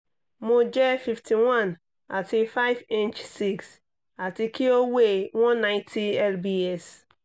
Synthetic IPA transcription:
mõ˨d͡ʒɛ˦fi˨ftʰi˨wã˦˨n | a̰˨tʰɪ˨fa˦ɪ˦vẽ˦nt͡ʃsi˦˨ks | a˨tʰɪ˨kʰi˦o˦we˦˨wɔ̃˦nːã˦ɪ̃˦ntʰi˦ɛ˦lbi˦ɛ˦˨s

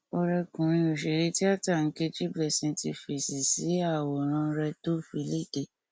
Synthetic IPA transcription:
ɔ˧ɾɛ˧kũ˨ɾ̃ĩ˧o˨ʃe˨ɾe˧˦ti˦a˦˨ta˦˨ŋ̩˨˦ke˧d͡ʒi˦blɛ˦˨sĩ˨˧tḭ˧fi˨si˨si˨˦a˦˨wɔ˨ɾ̃ã˧˦ɾɛ˧to˦˨fi˧˦le˦˨de˦˨

